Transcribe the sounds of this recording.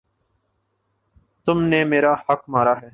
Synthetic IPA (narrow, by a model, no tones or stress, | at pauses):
t̪ʊmneːmeːɾaːhəkmaːɾaːɦɛː